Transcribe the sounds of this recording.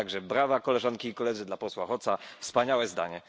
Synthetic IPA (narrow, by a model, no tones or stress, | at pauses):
aɡʐɛbɾavakɔlɛʐaŋkʲiːkɔlɛd̪zɘd̪lapɔswaxɔt̪safspaɲawɛzd̪a̰ɲɛ